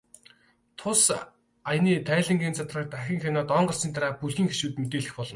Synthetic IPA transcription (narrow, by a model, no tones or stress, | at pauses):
t̪ʰʊs | ajniːt̪ʰæːɮɘ̆ŋɡeːnt͡sat̪rə̆k̚t̪axʲɪ̆ŋxanɔːt̪ɔɴɢə̆rsiːnt̪aɾaːpuɮxiːŋxeʃuːt̪met̪eːɮɘ̆xpɔɮɞ̆n